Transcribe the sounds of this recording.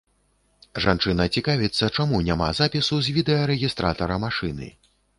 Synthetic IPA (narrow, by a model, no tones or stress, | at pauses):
ʐant͡ʂɨnɐt͡sʲikavʲit̪sːɐt͡ʂamunʲama̰zapʲisuzʲvʲid̪ɛjɐɾɛɣʲist̪ɾa̰t̪ɐɾɐmaʂɨnɨ̰